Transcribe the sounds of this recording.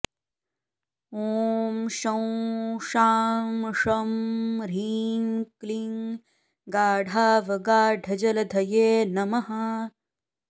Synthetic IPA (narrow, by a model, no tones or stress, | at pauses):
oːmʃɐw̃ʃaːmʂɐmɾiːŋkliŋ | ɡaːɽʱaːʋɐɡaːɖʱɐd͡ʒɐlɐd̪ʱɐjeːnɐmɐɦɐ